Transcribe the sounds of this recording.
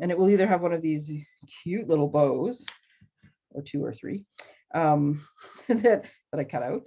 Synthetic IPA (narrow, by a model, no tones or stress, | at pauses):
ɨ̃ñɨt̚wəlˠiðə˞ɨvwʌ̃nʌvðiz̥ | kʰj̥ʉtˡlɪɾl̩ˠboʊz̥ | ə˞tʰʉə̰˞θɹḭ | ʔʌ̃m | ðɨt̚ðəɾaɪkʰʌɾaʊt̚